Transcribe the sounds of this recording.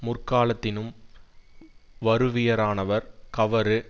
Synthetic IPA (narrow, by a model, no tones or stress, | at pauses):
mʊrkaːlɐt̪ːɪnɯm | ʋɐɾɯʋɪjɐɾaːnɐʋɐɾkɐʋɐɾɯ